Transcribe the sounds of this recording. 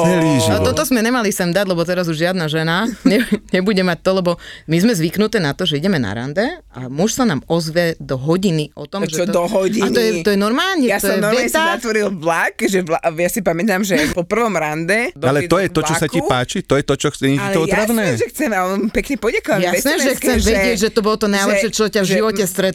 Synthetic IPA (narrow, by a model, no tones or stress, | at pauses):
d̪ɛliʒnɔt̪ɔt̪ɔzmɛɲɛmalisɛmd̪aɟlɛbɔt̪ɛɾazuʒʒɪad̪naʒɛnaɲɛɲɛbuɟɛmac̚t̪ɔlɛbɔmizmɛzʋiknut̪ɛːnat̪ɔʒɛiɟɛmɛna̰ɾa̰nd̪ɛa̰muʃsanaːmɔzʋɛd̪ɔɦɔɟiniʔɔ̰t̪ɔmʒɛɔɔɦɔɟianɔjɛt̪ɔjɛnɔɾmaːlɲɛjast̪ɔjɛɔɛɛt̪azat̪ʋɔɾilʋlakʒɛʋlajasipamɛt̪amʒɛpɔpr̩ʋɔmɾand̪ɛd̪alɛt̪ɔjɛɔt͡ʃɔsacipaːt͡ʃit̪ɔjɛt̪ɔt͡ʃɔxt͡sɛɲiiɔɔt̪ɾaʋnɛːʒɛxt͡sɛmampɛkɲɛpɔdakɔʋajaɛsnɛːʒɛxt͡st͡sɛmʋɛɟɪɛɟʒɛt̪ɔbɔlɔt̪ɔnajlɛʃɛt͡ʃɔcavʒiʋɔcɛst̪ɾɛt̪